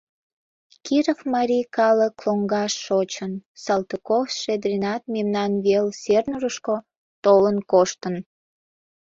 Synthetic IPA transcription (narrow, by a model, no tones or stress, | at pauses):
kiɾofmɑɾʲikɑləkloŋɡɑʃːot͡ɕənsɑlt̪okofʃed̪ɾʲinɑt̪̚memnɑnβelsernurəʃko | t̪olənkoʃt̪ən